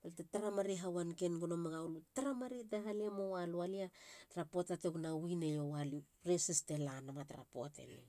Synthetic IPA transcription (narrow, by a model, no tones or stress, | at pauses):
baltetaɾamaɾeɦawankenɡonomaɡawlutaɾamaɾedaɦalemo̞walualiataɾapotateknawinejowali | ɾesistelanamataɾa̰po̰tḛlḛ